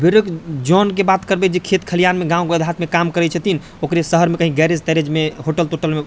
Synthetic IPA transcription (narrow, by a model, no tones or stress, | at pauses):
biɾəkd͡ʒɔnk̬ebat̪kəɾbɛd͡ʒekʰet̪kʰəlijanmeɡãũɡəd̪ʱɦat̪mekamkəɾɛt͡ʃʰɛt̪in | okɾesəɦəɾmekəɦiɡɛɾed͡ʒt̪ɛɾed͡ʒmeɦoʈəlt̪oʈəlme